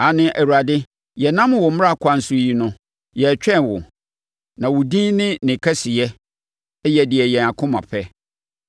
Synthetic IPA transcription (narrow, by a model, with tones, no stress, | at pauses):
a˨nɪ̃˦ʔæ˨wu˨ɾa˨dɪ˦ | jɛ˨nã˦m˦wɔ˨m̩˦m˦a˦˨kʷʰa˦n̩˦sʊ˦ji˦nʊ̃˦ | jɛ˨t͡ɕᶣɛ˦˨nwʊ̰˨ | nã˨wʊ˨dĩ˦nɪ̃˦nɪ̃˨kʰɛ˦si˨jɛ˦ | jɛ˨dɪ˨ɛ˨jɛ̃˨na˨kʰʊ̃˦mã̰˨pʰɛ˦